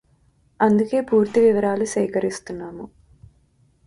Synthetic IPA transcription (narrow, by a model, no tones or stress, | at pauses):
ɐnd̪uke̞ːpuːɾt̪iʋiʋɐɾaːlusɐjkɐɾist̪unːaːmu